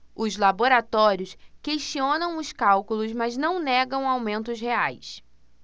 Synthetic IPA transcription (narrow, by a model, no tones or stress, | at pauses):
ʊzlaboɾat̪ɔɾiʊskeʃt͡ʃiõnɐ̃w̃ʊskawkulʊzmaznɐ̃w̃nɛɡɐ̃w̃awmẽnt̪ʊsɦeajs